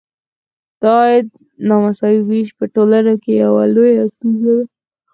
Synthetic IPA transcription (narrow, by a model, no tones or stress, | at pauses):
d̪̥ɑjad̪̚ | nɑmasɑwiwiʃpəʈolanakejawa̰lojast̪unzad̪a